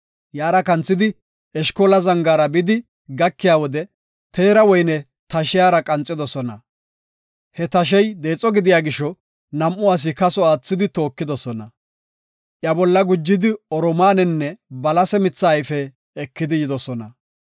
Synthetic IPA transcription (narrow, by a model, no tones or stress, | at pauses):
jaːɾɐkɐnt͡sːɪd̪ɪ | ɛʃkoːlɐzɐŋɡaːɾɐbɪd̪ɪ | ɡɐkːɪjaːwɔd̪ɛ | t̪e̞ːɾɐwɔjnɛ | t̪ɐʃɪjaːɾɐkʼɐnt͡sʼːɪd̪ɔsɔnɐ̰ | hɛt̪ɐʃ̬ɛjd̪e̞ːt͡sʼːɔɡɪd̪ɪjaːɡɪʃːɔ | nɐmʔʊaːs̬ɪkɐsɔaːt͡sːɪd̪ɪt̪o̞ːkːɪd̪ɔsɔnɐ | ʔjɐbɔlːɐɡʊd͡ʒːɪd̪ɪɔɾɔmaːnɛnːɛbɐlɐsɛmɪt͡sːaːjfɛː | kːɪd̪ɪjɪd̪ɔsɔnɐ